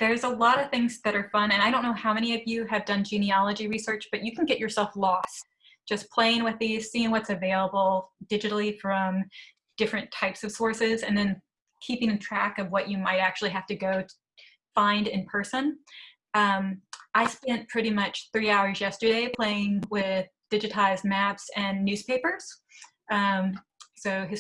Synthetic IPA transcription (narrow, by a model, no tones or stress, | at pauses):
ðə˞zəlɔɾʌv̥θɪ̃ŋzðɨɾə˞fʌ̃nɨ̃naɪɾõʊ̃nːoʊhaʊmɛ̃niʌvjɨɨvdʌ̃nd͡ʒĩniɑlˠəd͡ʒiɹisɜ˞t͡ʃb̥ʌt͡ʃɨkʰn̩ɡɛt͡ʃə˞sɛlˠflɔst | d̥ʒ̥ʌspʰl̥eɪɪ̃ŋwɨðiz̥siɪ̃ŋwʌtsɨveɪlˠəbl̩ˠd̥ɪd͡ʒɨɾl̩ˠifɹʌ̃m | d̥ɪfɹɨ̃ntʰaɪpsʌv̥sɔɹsɪzɨ̃nðɨ̃n | kʰipɪ̃ŋɨtʰɹ̥ækʌvwʌt͡ʃɨmaɪɾæk̚t͡ʃʉl̩ˠiɦæftɨɡoʊ | fãɪ̃ndɨ̃npʰɜ˞sɨ̃n | ʌ̃mʔaɪspɛ̃npʰɹ̥ɪɾimʌt͡ʃθɹiaʊə˞zjɛstə˞ɾeɪpʰl̥eɪɪ̃ŋwɪðd̥ɪd͡ʒɨɾʰaɪzmæpsɨ̃nːʉz̥pʰeɪpə˞z̥ | ʌ̃msoʊɪz